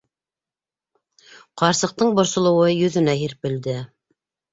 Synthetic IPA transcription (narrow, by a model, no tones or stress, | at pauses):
qɑɾsɤ̆q̚t̪ɤɴbŏɾsŏlˠɤ̆wɤjɵ̆ðɘ̆næɦiɾpɘ̆ld̪ɘ